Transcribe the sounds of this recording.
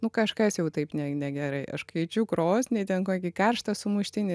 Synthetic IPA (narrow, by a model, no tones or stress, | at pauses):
nʊkɐʃkɐsjɛʊt̪ɐɪpnʲɛnʲɛɡʲɛɾɐɪʔɐ̰ʃkɐɪt͡ʃʲʊkɾoːsʲnʲɪːt̪ʲɛnkoːkʲɪkɐrʃt̪ɐsʊmʊʃʲt̪ʲɪnʲɪ